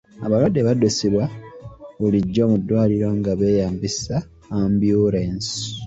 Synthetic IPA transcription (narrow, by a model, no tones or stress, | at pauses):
a̰βalwadːeβadusiβwa | βuliɟːo̞ːmud̪ːwaːliɾo̞ŋɡaβe̞ːjaːmbisaː | mbjuɾens